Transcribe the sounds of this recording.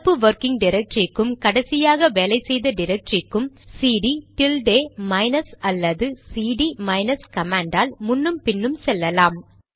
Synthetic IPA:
pːɯʋɐɾkɪŋɖɪɾɛk̚ʈrɪkːɯmkɐɽɐsɪjaːɣɐʋeːlɐɪsɛjðɐɖɪɾɛk̚ʈɾɪkːɯmsiːɖiʈɪlɖeːmɐɪnɐsɐlːɐðɯsiːɽimɐɪnɐskɐmaːɳɖaːlmʊnːɯmpɪnːɯmsɛlːɐlaːm

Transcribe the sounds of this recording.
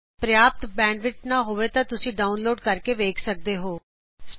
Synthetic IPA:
pɾəjaːp̚t̪bɛ̃ːɳɖʋɪt͡ʃnaːɦoːʋeːt̪ãːt̪ʊsĩːɖaːunloːɖkəɾkeːʋeːkʰsək̚d̪eːɦoː | s

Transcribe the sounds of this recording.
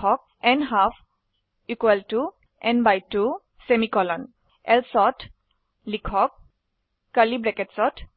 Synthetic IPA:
ɔk̚ɛ̃nɦaf | ikwəltu | ɛ̃nbajtːu | semikɔlɔ̃n | ɛlsɔt | likʰɔk̚ː | əlibɾɛkɛtsɔt

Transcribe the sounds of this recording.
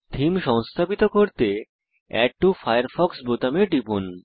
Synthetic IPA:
d̪ʱimʃɔŋst̪ʰapit̪okoɾt̪e | ɛ̰k̚ʈufajaɾfɔksbot̪ameɖipun

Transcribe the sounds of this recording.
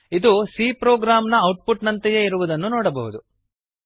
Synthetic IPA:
id̪usiːpɾoːɡɾaːmnɐːwʈ̚puʈnɐnt̪ɐjeiɾuʋud̪ɐnːunoːɽɐbɐɦud̪u

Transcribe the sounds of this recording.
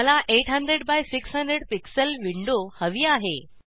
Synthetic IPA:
əlaʔeʈɦəndɾeɽbajsiksɦə̃ndɾeɽpiksəlʋiɳɖohəʋiːaɦe

